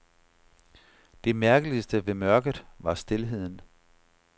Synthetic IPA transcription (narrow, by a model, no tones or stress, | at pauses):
d̥e̝mæɐɡ̥əlisd̥əʋe̝mɶɐɡ̥ð̩ˠʋɑ̈sd̥e̝lɦe̝ð̞̰ˠn̩